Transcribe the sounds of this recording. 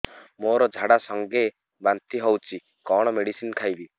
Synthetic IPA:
moɾɔd͡ʒʱaɽasɔŋɡe | bant̪iɦɔwt͡ʃʰi | kɔɽ̃ɔmeɽisinkʰajbi

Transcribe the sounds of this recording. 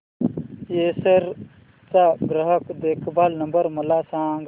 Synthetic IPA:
jeːsɐɾ | t͡saɡɾɐɦəkd̪eːkʰbʱaːlnɐmbəɾmɐlaːsãːŋɡ

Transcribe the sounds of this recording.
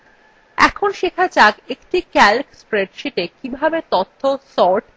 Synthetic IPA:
ɛ̰kʰonʃekʰat͡ɕaɡekʈikɛlkspɾeɖʃeʈekibʱabet̪ot̪ʰːosɔɾʈ

